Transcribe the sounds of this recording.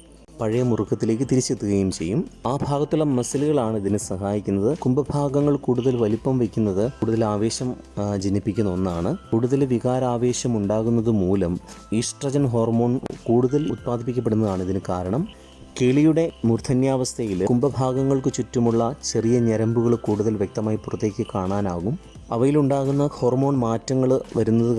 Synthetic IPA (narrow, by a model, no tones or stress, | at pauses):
pɐɻɐjɐmurukːɐt̪ːile̞ːk̬ːɨt̪iɾit͡ɕːet̪ːuɣɐjumt͡ɕe̞jːumaːbʱaːɡɐt̪ːuɭːɐmɐsɐluɣɐɭaːɳiðinɨsɐhaːjikʲːunːɐðɨkumbɐbʱaːɡɐŋːɐɭkuːɽuðɐlʋɐlipːɐmʋekʲːunːɐðɨkuːɽuðɐlaːʋe̞ːɕɐmd͡ʑinːipːikʲːunːɐo̞nːaːɳɨkuːɽuðɐlʋiɣaːɾaːʋe̞ːɕɐmuɳɖaːɣunːɐðɨmuːlɐmiːʂʈrɐd͡ʑɐnɦo̞ːrmo̞ːɳkuːɽuðɐlut̪̚paːd̪ʱip̬ːikʲːɐp̬ːeɽunːɐðaːɳiðinɨkaːɾɐɳɐm | keɭijuɽe̞murt̪ʰːɐnjaːʋɐst̪ʰɐjilkumbɐbʱaːɡɐŋːɐɭkɨt͡ɕutːumuɭːɐt͡ɕe̞rijɐɲɐɾɐmbuɣɐɭkuːɽuðɐlʋjek̚t̪ɐmaːjipurɐt̪ːe̞ːkʲːɨkaːɳaːnaːɣum | ɐ̰ʋɐjiluɳɖaːɣunːɐho̞ːrmoːɳmaːtːɐŋːɐɭʋɐɾunːɐðɨ